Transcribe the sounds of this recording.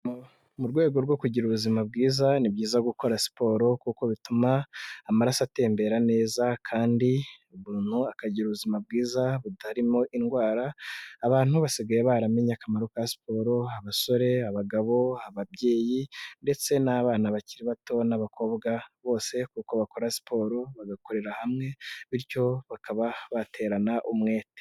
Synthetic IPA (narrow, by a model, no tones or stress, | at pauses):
muɾɡwe̞ːɡo̞ɾɡwo̞kuɟiɾuβuzimab̚ɡiːzanibɟiːzaɡuko̞ɾasi̥po̞ːɾo̞kuko̞βitumaːmaɾasate̞ːmbe̞ɾane̞ːzakʰaːndiuβuːn̥huakaɟiɾuβuzimab̚ɡiːzaβutaɾimo̞ʔinɡwaːɾaːβaːn̥huβasiɡaje̞βaɾame̞ɲakamaɾokajasi̥po̞ːɾo̞aβaso̞ɾe̞aβaɡaβo̞aβaβɟe̞ːjinde̞t͡se̞naβaːnaβaciɾiβato̞naβako̞ːβɡaβo̞ːse̞kuːko̞βako̞ɾasi̥pʰo̞ːɾo̞βaɡako̞ɾe̞ɾahamŋe̞βiɾco̞βakaβaβatʰe̞ːɾanaʔumŋe̞ːte